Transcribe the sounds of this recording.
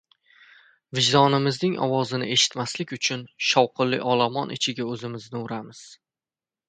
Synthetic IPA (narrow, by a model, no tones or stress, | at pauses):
vɪd͡ʒd̪ɒnɪmɪznɪŋɒ̰wɒzɪnɪ̰ʔe̞ʃɪ̥t̪maslɪkʲʊt͡ʃʰʊnʃɒwqʰɨlːɪ̰ʔɒlˠamɒnʔɪ̰t͡ʃʰɪɡʲaɵzɪmɪznɪʊɾamɪz̥